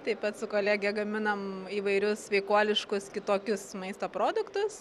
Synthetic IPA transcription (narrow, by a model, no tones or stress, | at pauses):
t̪ɐɪpɐt̪sʊkoːlʲæɡʲɛɡɐmʲɪnɐmiːʋɐɪɾʲʊsʲʋʲɛɪkuɔlʲɪʃkʊskʲɪt̪oːkʲʊsmɐɪst̪oːpɾoːd̪ʊkt̪ʊs